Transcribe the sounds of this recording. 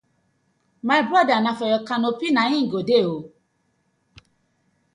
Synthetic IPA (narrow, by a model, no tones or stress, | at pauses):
majbɾɔdanãfɔjɔkanopinãɲĩŋ̩ɡodeo